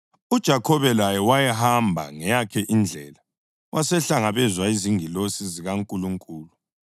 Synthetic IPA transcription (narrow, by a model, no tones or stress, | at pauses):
ud̥ʒ̥ʱakʰɔβɛlajɛwajɛɦambʱa̰ŋɛjakʰɛʔind͡ɮʱɛla | wʔasɛɬaŋaβɛzwaiziŋilosiziɣaŋkʼuluŋkʼuːlu